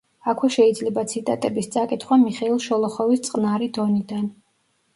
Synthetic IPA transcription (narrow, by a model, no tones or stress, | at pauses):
akʰwɛʃɛid̪zlɛbat̪sʰit̪ʼat̪ʼɛbist̪sʼakʼit̪ʰχwamiχɛilˠʃɔlˠɔχɔvist̪sʼqʼnaɾid̪ɔnid̪an